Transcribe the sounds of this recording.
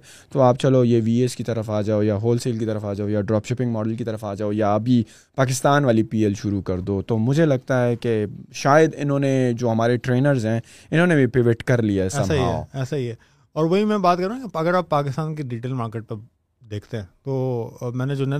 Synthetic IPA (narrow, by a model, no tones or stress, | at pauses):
t̪oaːpt͡ʃɐlojeʋiːeskit̪ɐɾəfaːd͡ʒaːojaɦoːlseːlkit̪ɐɾəfaːd͡ʒaːojaɖɾɔːpʃɪpɪ̃ŋɡmɔːɖəlkit̪ɐɾəfaːd͡ʒaːojabʱi | paːk̬ɪst̪aːnʋaːlipiːelʃʊɾukɐɾd̪oːt̪oːmʊd͡ʒʱelɐɡ̚t̪aɦɛkeʃaːjəd̪ɪnɦõːned͡ʒoːɦɐmaːɾeʈɾeːnəɾzɦɛ̃ː | ɪnɦõːnebʱipɾɪʋɪʈkɐɾlijaɛsːaaɦiaɛ̰ːo̰ɛːsaɦiɦɛː | ɔːɾʋoɦimɛ̃baːt̪̚kɐɾũkeɐɡəɾaːpːaːkɪst̪aːnkiɖiːʈeːlmaːɾkeːʈ̚pe | d̪eːkʰt̪eɦɛ̃ːt̪oːmɛ̃ːned͡ʒoːnɛ